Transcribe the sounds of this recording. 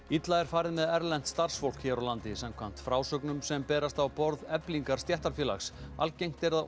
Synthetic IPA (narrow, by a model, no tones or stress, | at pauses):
it̪laðɛɾ̥faːɾɪðmɛðɛɾlɛn̥t̪st̪ar̥sfowl̥kçɛːɾawlant̪ɪsamkʰvan̥t̪fɾaːwsœknʏmsɛmpɛːɾast̪awpɔɾðɛpliŋkaɾ̥st̪jɛht̪aɾ̥fɛːla̰xsa̰lcejŋ̥t̪ɛɾða